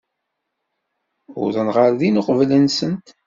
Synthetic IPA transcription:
ʊ̰ðənʁəɾðinʊqvlənsənt̪

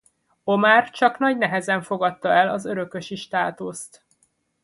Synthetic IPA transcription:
o̞maːrt͡ʃɒknɒɟnɛɦɛzɛɱfo̞ɡɒt̪ːɒɛlɒzø̞ɾø̞kø̞ʃiʃt̪aːt̪ust̪

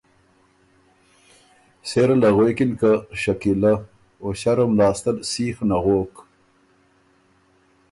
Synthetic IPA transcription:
seɾalɐɣwekinkaɕɐkila | oɕaɾomlɑːst̪alsiːxnaɣoːk

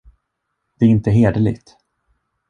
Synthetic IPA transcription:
d̪̥ɛæɪnt̪əɦeːd̪əlɪ̰ɡt̪

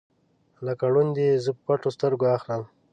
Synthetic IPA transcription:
lakaɽund̪ezəpəpaʈost̪əɾɡoaxləm

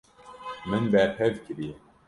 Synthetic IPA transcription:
mɨnbɛɾpʰɛvkɨɾijɛ

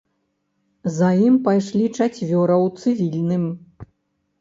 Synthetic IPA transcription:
zajimpajʂlʲit͡ʂat͡sʲvʲɔɾɐwt̪sɨvʲilʲnɨm

